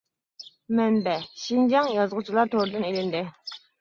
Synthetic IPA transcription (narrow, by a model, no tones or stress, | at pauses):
mɛnbɛʃind͡ʒɑŋjɑzʁʊt͡ʃʰilˠɑɾt̪ʰoɾd̪ɨnelɪnd̪ɪ